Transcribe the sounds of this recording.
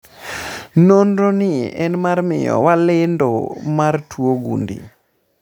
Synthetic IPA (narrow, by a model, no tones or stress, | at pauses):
nondonɪɛnmarmɪ̰jɔ̰walɪndɔmartʰwoɡṵndḭ